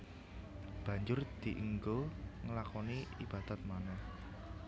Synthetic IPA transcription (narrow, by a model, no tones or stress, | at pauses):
b̥ä̤ɲd͡ʒʊrd̪̥i̤ʔiŋɡoŋəlakɔniib̥a̤d̪̥a̤t̪̚manɛh